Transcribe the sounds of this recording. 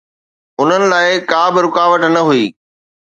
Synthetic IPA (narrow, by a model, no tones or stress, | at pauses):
ʊn̤ənɪ̆laːɪkaːbɪɾʊkaːʋəʈnɐɦuiː